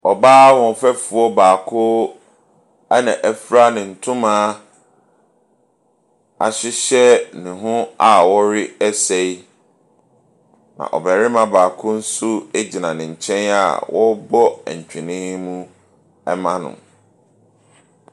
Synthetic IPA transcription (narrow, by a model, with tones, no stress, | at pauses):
ɔ˨baː˦wɔ̃˨fɛ˦fu˨ɔ˦baː˨kʰʊ˦ | a˦nã˨ʔæ˨fɾa˦nɪ̃˨n̩˨tʰʊ̃˦mãː˦ | a̰˨ɕɪ˦ɕɛ˦nɪ̃˨ɦʊ̃˦a˨wɔ˦ɾɪ˦ɛ˦se˦i˦ | nã̰˨ʔɔ̰˨bɛ˨ɾɪ˦mã˨baː˨kʰʊ˦n̩˦sʊ˦e˦d͡ʑi˨nã˨nɪ̃˨ɲ̩˨t͡ɕʰɛ̃˦na̰˨wɔ˦bɔ˦ɛ̰̃˨ɲ˨t͡ɕᶣɪ˨nɪ̃˦mũ˦ | ɛ˦mã˦nʊ̰̃˨